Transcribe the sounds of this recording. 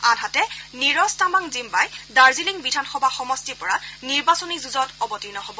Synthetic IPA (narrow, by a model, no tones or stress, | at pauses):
adʱatɛniɹɔstamaŋzimbajdaɹziliŋbidʱanxɔbʱaxɔmɔstipɔɹaniɹbasɔnizuzɔtɔbɔtinɔhobɔ